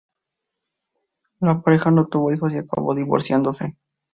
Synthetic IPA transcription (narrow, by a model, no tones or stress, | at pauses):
lapaɾe̞xanot̪uβo̞ixo̞siaka̰βo̞ðiβo̰ɾsjand̪ose